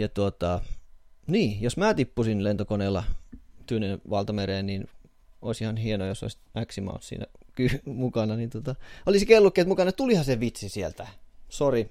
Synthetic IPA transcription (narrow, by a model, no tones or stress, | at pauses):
jɑt̪uot̪ɑ | niːjosmæːt̪ipːusinlent̪okoneːlːɑt̪yønenʋɑlt̪ɑmereːnnin | oˑisihɑnhienojoso̰isæksimɑ̰ṵnssḭːnæ̰kymukɑnɑnint̪uot̪ɑolisikelːukːeːt̪mukɑnɑet̪ulihɑseʋit̪sisielt̪æsori